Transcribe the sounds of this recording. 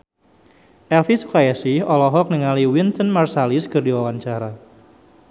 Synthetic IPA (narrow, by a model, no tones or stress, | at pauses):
ʔɛlfisu̥kajasɪhɔlɔɦɔk̚nəŋaliwint̪ənmarsaliskərdiwawaɲt͡ʃaɾa